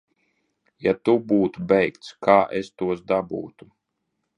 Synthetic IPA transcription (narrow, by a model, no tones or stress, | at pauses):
jat̪ubuːt̪ubɛjkt̪skʰaːʔɛst̪uɔsd̪abṵːt̪u